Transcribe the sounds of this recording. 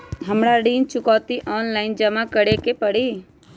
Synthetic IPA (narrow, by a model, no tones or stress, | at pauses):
ɦəmɽaɖiːnt͡ʃʊkaːt̪iʔɔːnlaːɪnd͡ʒəmakəɽekepəɽiː